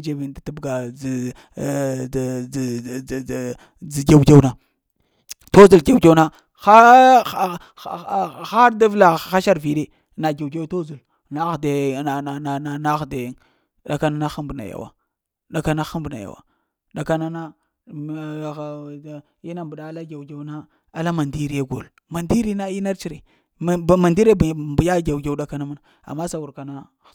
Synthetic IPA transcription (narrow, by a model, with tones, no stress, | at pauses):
d͡ʒe˦vi˨nda˨ta˦bɡa˨ | d͡zi˨ɡe˦wɡe˦wna˨ | to˦zo˨lɡe˦wke˦wna˦ | xa˦ | xa˦ɾda˦vla˨xa˦ʃa˦ɾvi˨ɗe˦ | na˨ɡe˨wɡe˦wto˦zu˨l | na˦ɣde˨na˨na˨na˦na˦xde˨jŋ | ɗa˨ka˦na˦na˦xu˦mbna̰˨ja̰˨wa̰˨ | ɗa˨ka˦na˦xu˦mbna̰˨ja̰˨wa̰˨ | ɗa˨ka˦na˦na˦˨ | i˦na˦mbu˨ɗa˨˦la˦ɡa˨wɡe˦na˦ | a˨la˦ma˨ndi˦ɾi˦ja˦ɡo̰˨l | ma˨ndi˦ɾi˦na˦i˦na˦ɾt͡ʃi˦˨ɾe˨ | ma˨ndi˦ɾe˦bbu˨ja˦ɡa˨wɡe˦wɗa˦ka˨na˦mu˦na˨ | a̰˨mːa˦sa˨wu˨ɾka˨na˦˨